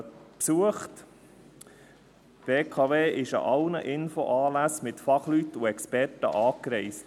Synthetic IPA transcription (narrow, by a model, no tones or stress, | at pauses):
psuəχt | b̥eːkʰɑːveːʔɪʃə̰ʔɑlnəʔɪnfoʔɑːlæsmɪtfɑχlyt̪ːuɛkspɛrtə̰ʔɑːkɾɛɪst